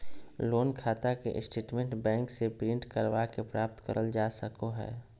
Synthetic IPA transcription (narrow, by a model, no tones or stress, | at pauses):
loːnkʰaːt̪akḛʔɪ̰sʈeːʈmẽɳʈbɛ̃ːŋksepiːɳʈkəɾʋakepɾaːp̚t̪kə̰ɾʔəld͡ʒaːsəkoɦɛ̰ː